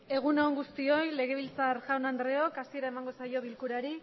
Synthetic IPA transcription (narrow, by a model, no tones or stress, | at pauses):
e̞ɣ̞unoŋɡust̪io̞jle̞ɣ̞e̞β̞ilt͡saɾʝawnand̪ɾe̞o̞kasie̞ɾae̞maŋɡo̞sajo̞β̞ilkuɾaɾi